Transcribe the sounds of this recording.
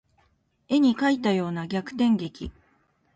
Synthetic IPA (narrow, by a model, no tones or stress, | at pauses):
e̞ɲ̟ikait̪ːajo̞ːnaɡʲakɯ̟̥t̪ẽ̞ŋɡe̞kʲḭ